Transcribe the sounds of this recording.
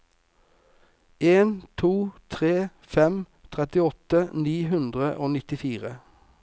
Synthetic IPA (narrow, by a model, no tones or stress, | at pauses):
eːnt̪ʰuːt̪ʰʁeː | fɛm | t̪ʰʁɛt̪ɪɔt̪əniːɦʉnd̪ʁəʔoːnɪt̪ɪfiːʁə